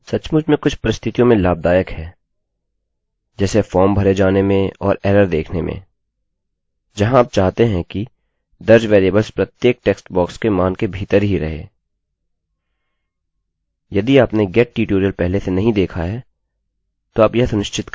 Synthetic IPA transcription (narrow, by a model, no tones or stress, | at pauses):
sɐt͡ʃmʊd͡ʒʱmẽkʊt͡ʃʰpɐɾɪst̪ʰɪt̪ijõmẽlaːb̚d̪aːjəkɦɛː | d͡ʒɛːsefɔːɾmbʱɐɾed͡ʒaːnemẽɔ̰ːɾɛːɾəɾd̪eːkʰnemʔḛ̃ | d͡ʒɐɦãːp̚t͡ʃaːɦt̪eɦɛ̃ki | d̪ɐɾd͡ʒʋeːɾeːbəlspɾɐt̪jeːk̚ʈɛːksʈbɔːkskemaːnkebʱiːt̪əɾɦiɾɐ̰ɦḛː | jɐd̪iaːpneɡɛːʈ̚ːʈiːʈoːɾijəlpɛɦlesenɐɦĩd̪eːkʰaɦɛː | t̪oaːpjɐɦsʊnɪʃt͡ʃɪt̪k